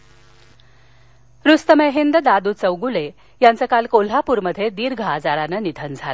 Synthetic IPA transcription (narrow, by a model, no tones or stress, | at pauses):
ɾust̪əmeɦind̪əd̪ad̪uːt͡səwɡule | jant͡səkalkol̤apuːɾməd̪ʱːjed̪iːɾɡʱad͡zaɾanənid̪ʱənd͡zʱalə